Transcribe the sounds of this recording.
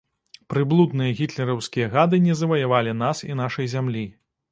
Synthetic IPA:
pɾɨblˠud̪nɨjɐɣʲit̪lʲɛɾɐwskʲijɐɣad̪ɨnʲɛzɐvɐjavalʲin̪asinaʂɐjzʲamlʲi

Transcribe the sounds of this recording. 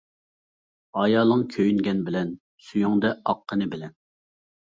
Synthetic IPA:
ɑjɑːlˠəŋkʲʰøjyŋɡʲɛnbɪlɛn | sujuŋd̪ɛɑqʰːənɨbɪlɛn

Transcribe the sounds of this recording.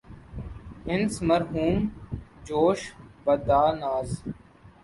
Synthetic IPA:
ɪnsməɾɦuːmd͡ʒoːʃbɐd̪aːnaːz

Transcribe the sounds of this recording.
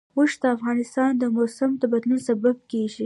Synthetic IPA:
woʃd̪əafɣɑnɪst̪ɑnd̪əmosamd̪əbad̪lunsabab̚keʒi

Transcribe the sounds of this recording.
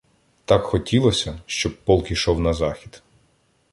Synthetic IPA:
t̪ɑkxɔtʲilˠɔsʲɐʃt͡ʃɔb̚pɔlˠkiʃɔwnɐzɑxʲid̪̥

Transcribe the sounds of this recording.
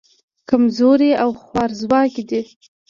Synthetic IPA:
kamzoɾeawxwɑɾzwɑkid̪i

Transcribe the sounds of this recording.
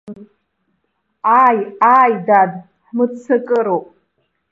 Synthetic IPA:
aːjaːjdad | ħmɨdt͡sɨkʼɨɾowpʼ

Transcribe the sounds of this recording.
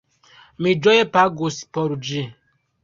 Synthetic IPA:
mid͡ʒɔjɛpaɡosi̥pɔɾud͡ʒi

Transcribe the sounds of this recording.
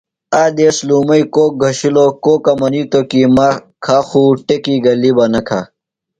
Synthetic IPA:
aːd̪eːsluːmɐikoːk̚ɡʱɐɕiloːkoːkɐmɐniːt̪okimakʰaxuːʈekiːɡɐlːibɐnɐkʰa̰

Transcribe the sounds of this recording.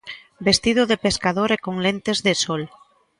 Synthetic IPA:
best̪ið̞ʊðepeskaðoɾekoŋlent̪ezðesɔl

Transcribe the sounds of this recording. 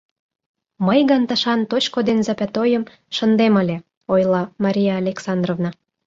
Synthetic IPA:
məjɣənt̪ə̆ʃɑnt̪ot͡ɕkod̪enzɑpʲæt̪ojəm | ʃə̆nd̪eməlʲe | ojlɑmɑɾʲijɑːlʲeksɑnd̪rovnɑ

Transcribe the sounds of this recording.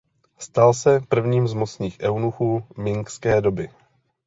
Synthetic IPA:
st̪alsɛpr̩vɲiːmzmo̞t͡sɲiːxʔɛwnuxuːmɪŋkskɛːdo̞bɪ

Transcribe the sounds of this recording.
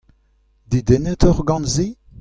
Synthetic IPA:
d̪id̪enɛt̪ɔʁɡɑ̃nzi

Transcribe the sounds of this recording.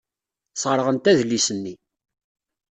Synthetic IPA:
sʁəɾʁənt̪æðlːisənːi

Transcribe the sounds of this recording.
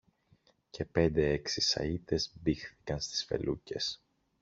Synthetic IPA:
ce̞pe̞nd̪e̞eksisɐ̰it̪e̞zbixθi̥kɐnst̪i̥sfe̞̰lʔuce̞s

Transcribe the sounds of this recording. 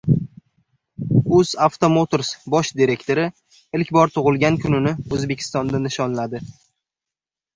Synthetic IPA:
ɵz̥aft̪omot̪oɾsbɒʃd̪iɾe̞kʲt̪ʰo̞ɾɪ | ɪlkʲbɒɾt̪ʰʊʁɨlˠɡʲankʰʊnɪnɪɵzbe̞kʲʰɪ̥st̪ɒnd̪anɪʃɒnlad̪ɪ

